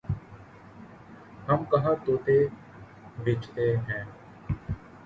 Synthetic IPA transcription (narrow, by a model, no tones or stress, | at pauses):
hɐmkɐɦat̪oːt̪e | bʱeːt͡ʃt̪eɦɛ̃ː